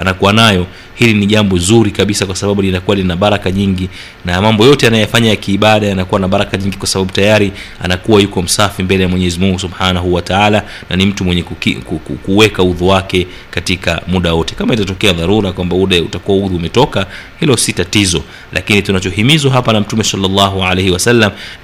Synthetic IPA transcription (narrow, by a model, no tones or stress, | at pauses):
anakuwanajɔ | hiliniʄambɔzuɾikaɓisakwasaɓaɓuinakuaninaɓaɾakaɲiŋɡi | namambɔjɔtɛanajɔjafaɲajakiːɓaɗajanakuwanaɓaɾakaɲiŋɡikwasaɓaɓutajaɾi | a̰nakuwajukɔm̩safimbɛlɛjamwɛɲɛzimuŋɡusuɓħanaɦuwataala | nanim̩tumwɛɲɛkkḭkkkuwɛkauðuwakɛ | katika̰muɗawɔtɛ̥kamaitatɔkɛaðaɾuɾakwambauɗautakuwauðuːmɛtɔka | hilɔsitatizɔ | lʔa̰kinitunat͡ʃɔhimizwaɦapanam̩tumɛsalːɑlːɑɦualejhɛwasalːam